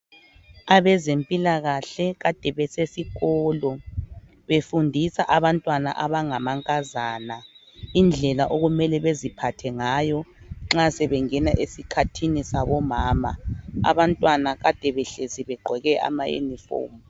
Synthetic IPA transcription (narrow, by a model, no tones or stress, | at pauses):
aβɛzempʼilaɣaɬɛɣad̥ʱɛβɛsesiɣɔːlɔ | βefundʱisaʔaβantʼwana̰ʔaβaŋamaŋkʼazana | ind͡ɮʱɛlaʔoɣumɛlɛβezipʰatʰɛŋaːjɔŋ͡ǁasɛβɛŋɛnaʔesikʰatʰinisaβɔmaːma̰a̰βantʼwanaɣad̥ʱɛβɛɬeziβɛɡ͡ǃʱɛɣɛʔa̰ma̰jṵnifo̰ːmu